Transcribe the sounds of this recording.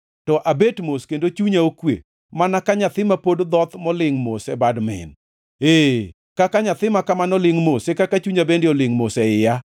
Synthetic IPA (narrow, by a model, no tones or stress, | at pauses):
tɔʔabetmoskendot͡ʃuɲaokwḛ | manakaɲat̪ɪmapodd̪ɔt̪mɔlɪŋmosɛbadmɪ̰n | e | kakaɲat̪ɪmakamanɔlɪŋmosekakat͡ʃuɲabendeɔlɪŋmosɛɪja